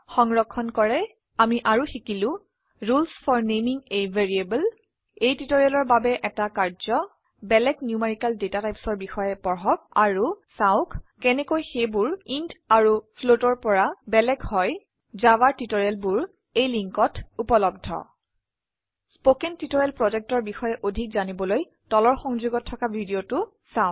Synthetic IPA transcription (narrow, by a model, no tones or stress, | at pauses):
xɔŋɹɔkʰːɔnkɔɹɛ | amiʔaɹuxikilʊ̃ | ɹulsfʰɔɹnemiŋejvʱeɹiebəl | ejtitoɹialɔɹbabɛʔɛtakaɹzɔ | bɛlɛɡnjumeɹikaldetatajpsɔɹbixɔjɛpɔɹɦɔk̚aɹusaʊkkɛnɛkojxebʊɹintaɹupʰlotɔɹpɔɹabɛlɛɡhɔj | zawaɹtitoɹijalbuɹ | ejliŋkɔtupɔlɔb̚dʱɔ̰ | spokentitoɹɛlpɹɔzɛk̚tɔɹbixɔjɛʔodʱikzanibɔloj | tɔlɔɹxɔŋzuɡɔtʰːɔkabʱidiotʊ | saʊ